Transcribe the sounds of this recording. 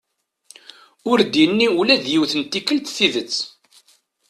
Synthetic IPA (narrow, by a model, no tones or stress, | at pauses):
ʊɾd̪inːiulæðjiwθənt̪ːikːəlt̪θiðət͡sː